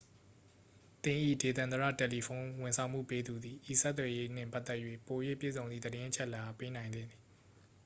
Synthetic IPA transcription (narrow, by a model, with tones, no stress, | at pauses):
t̪ɪ̃˨ʔḭ˦˨de˨t̪ã˨nəɹä̰˦˨tɛ˨li˨pʰõ˦ʊ̃wɪ̃˨nsʰã˨ʊ̃m̥ṵ˦˨pe˦d̪u˨d̪ði˨ʔi˦˨sɛ˦t̪̬ːwɛ˨je˦n̥ɪ̰̃˦˨mpa˦ʔt̪ːɛ˦ʔjwḛ˦˨po˨jwḛ˦˨pjḛ˦˨zõ˨nði˨d̪əɾɪ̃˦ʔə˦t͡ɕʰɛ˦ʔla˦˨ʔa˨pe˦nã˨ɪ̃nd̪ɪ̰̃˦˨nd̪ði˨